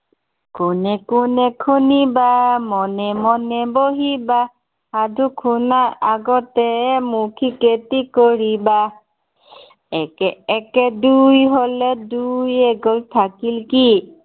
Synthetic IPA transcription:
kʊnɛkunɛkʰunibamɔnɛmɔnɛboɦiba | hadʱukʰunaaɡɔtɛmukʰiketikoɹiba | ɛkɛːkɛdujɦolɛdujeɡɔlt̪ʰakilki

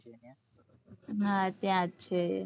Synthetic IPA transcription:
ɦãt̪jãtːʃʰe

